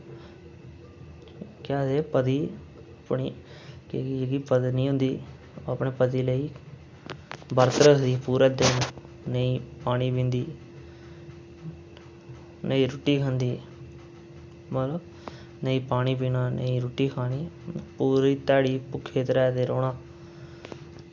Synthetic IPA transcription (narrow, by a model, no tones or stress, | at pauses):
kaːseːpəd̪iː | əpɳiː | keɡiːpəd̪nĩːɦʊ̃nd̪iː | oəpɳeːpəd̪iːləiː | bəɾt̪əɾəsd̪iːpuːɾəd̪eːn | nəiːpaːɽ̃iːpĩnd̪iː | nəiːɾʊʈːiːkʰə̃nd̪iː | mət̪lə | nəiːpaːɽ̃iːpiːnaːnə̰iːɾuʈːiːkʰaːniːpuːɾiːt̪aːɽiːpʊkʰːeːt̪ɾɛːd̪eɾoːnaː